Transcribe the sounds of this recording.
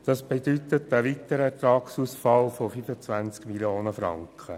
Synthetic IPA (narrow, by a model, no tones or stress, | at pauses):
d̪̥ɑsb̥ed̪yt̪ət̪əʋit̪əɾəɛt̪ɾɑːksuːsfɑlfofyfət͡sʋænt͡skmiljoːnəfɾɑ̰ŋkχə